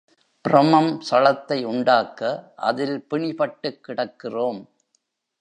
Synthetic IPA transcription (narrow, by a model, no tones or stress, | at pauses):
pɪɾɐmɐmsɐlɐt̪ːɐɪʊɳɖaːkːɐʔɐðɪlpɪɳɪpɐʈːɯkːɪɽɐkːɪroːm